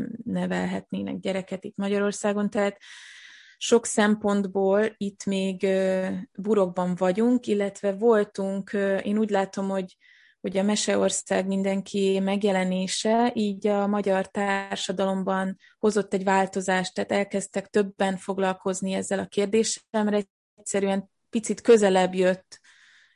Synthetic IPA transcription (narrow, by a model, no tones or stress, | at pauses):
nɛvɛlɦɛ̰t̪neːnɛ̰ɡ̚ɟɛɾɛkɛt̪it̪mɒɟɒɾo̞rsaːɡo̞nt̪ɛɦaːt̪ | ʃo̞ksɛmpo̞nd̪boːlit̪ːmeːɡ | buɾo̞ɡ̚bɒɱvɒɟuŋkilːɛt̪ʋɛvo̞lt̪uŋkeːnuːɟlaːt̪o̞mho̞ɟ | ho̞ɟɒmɛʃɛo̞rsaːɡmind̪ɛŋkʰimɛɡjɛlɛneːʃɛiːɟɒmɒɟɒrt̪aːrʃɒd̪ɒlo̞mbɒn | ho̞zo̞t̪ːɛɟvaːlt̪o̞zaːʃt̪aːt̪ɛlkɛst̪ɛkt̪ø̞bːɛnfo̞ɡlɒlko̞zniɛzːɛlɒkeːrd̪eːʃɛlmɛɾɛ | csɛɾyɛm | pit̪sit̪kø̞zɛlɛbjøt̪ː